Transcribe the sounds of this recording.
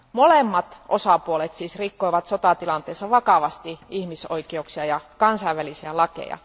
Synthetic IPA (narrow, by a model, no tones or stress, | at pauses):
molemːɑt̪ʔosɑpuolet̪siːsrikːoiʋɑt̪sot̪ɑt̪ilɑnt̪eːsːɑʋɑkɑʋɑst̪iihmisoikeuksiɑjɑkɑnsɑiʋʋælisiælɑkḛjɑ̰